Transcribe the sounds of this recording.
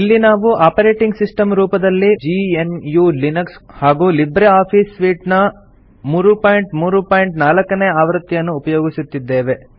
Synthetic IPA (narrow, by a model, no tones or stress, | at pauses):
ilːinaːʋuʔaːpɐɾe̞ːʈiŋɡsisʈɐmɾuːpɐd̪ɐlːid͡ʒiːenjuːlinɐkshaːɡuːlibɾeaːpʰiːsʋiːʈnɐ | muːɾupaːjiɳʈmuːɾupaːjiɳʈnaːlɐkːɐneːaːʋɾɐt̪ːjɐnːuːpɐjoːɡisut̪ːid̪ːe̞ːʋe̞